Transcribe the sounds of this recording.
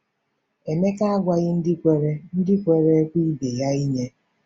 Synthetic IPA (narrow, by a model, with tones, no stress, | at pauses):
e˨me˦ka˦a˦ɡʷa˦ɣɪ˦n̩˦dɪ˦kʷe˨ɾe˦n̩˦dɪ˦kʷe˨ɾe˦kʷi˦be˨ja˦i˦ɲe˦